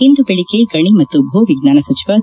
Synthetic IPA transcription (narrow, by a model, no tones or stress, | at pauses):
ind̪ubeɭikeɡɐɳimɐt̪ːubʱuːʋiɡnaːnɐsɐt͡ʃiʋɐ